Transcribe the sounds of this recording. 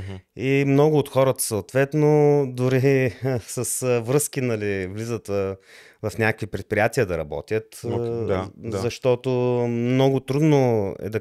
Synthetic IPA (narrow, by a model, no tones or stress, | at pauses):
imnɔɡʊːt̪xɔɾət̪ə̥soːt̪vɛt̪nod̪ʊɾisɐsvɾɤskinɐlivlizət̪ | vɐfnʲakəkvipɾɛt̪̚pɾʲijat̪iəd̪ɐɾɐbɔ̰t̪ʲjət̪ | zɐʃt̪ɔt̪omnɔɡʊt̪ɾud̪noɛ̰d̪ɐ